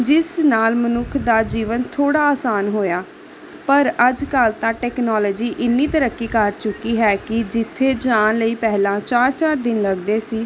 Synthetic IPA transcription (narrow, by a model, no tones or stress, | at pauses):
d͡ʒɪsnaːlmənʊkʰd̪aːd͡ʒiːʋənt̪ʰoːɽaːaːsaːnɦoːjaː | pəɾəd͡ʒkəlt̪ãːʈɛːknɔːlːd͡ʒiːʔɪnːiːt̪əɾəkːiːkəɾt͡ʃʊkːiːɦɛːkɪd͡ʒɪt̪ʰːeːd͡ʒaːnləiːpɛɦlãːt͡ʃaːɾt͡ʃaːɾd̪ɪnləɡd̪eːsiː